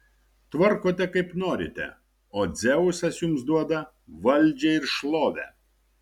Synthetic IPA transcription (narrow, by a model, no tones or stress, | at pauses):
t̪ʋɐɾkoːt̪ʲɛkɐɪpnoːɾʲɪ̰t̪ʲɛ̰ | oːd̪zʲɛʊsɐsjuːmsd̪uɔd̪ɐ | ʋɐlʲˑd͡ʒʲɛɪɾʃlˠoːʋʲɛ̰